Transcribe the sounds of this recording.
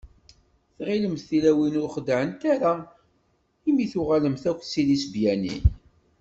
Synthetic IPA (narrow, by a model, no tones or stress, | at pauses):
θʁiləmθθilæwinʊɾχəd̪ʕənt̪aɾa | imiθʊʁaləmθækʷːsilisbjænḭn